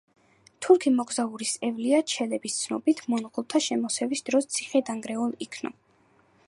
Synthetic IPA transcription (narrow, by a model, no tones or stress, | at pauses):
t̪ʰuɾkʰimɔɡzauɾisɛvliat͡ʃʰɛlɛbist̪sʰnɔ̰bit̪ʰmɔnʁulˠt̪ʰaʃɛmɔsɛvisd̪̥ɾɔst̪sʰiχɛd̪aŋɡɾɛulˠikʰnɔ̰